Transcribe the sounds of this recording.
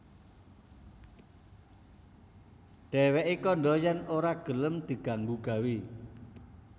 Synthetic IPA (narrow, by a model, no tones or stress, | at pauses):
ɖ̥ɛ̤wɛʔikɔɳɖɔjɛnoɾaɡ̥ə̤ləmd̪̥i̤ɡ̥a̤ŋɡuɡ̥a̤wi